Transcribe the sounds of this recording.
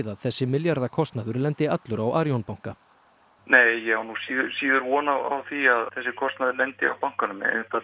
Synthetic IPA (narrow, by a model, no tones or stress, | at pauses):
ðaðθɛsːɪmɪljaɾðakʰɔst̪naðʏɾlɛnt̪ɪat̪lʏɾawʔaːɾjownpawŋ̥ka | neːjːɛhawnusiːðʏɾsiːðʏɾvɔːnaa̰wθiaðθɛsːɪkʰɔst̪naðʏɾlɛnt̪ɪa̰wpawŋ̥kanʏmɛ̰ḛnt̪a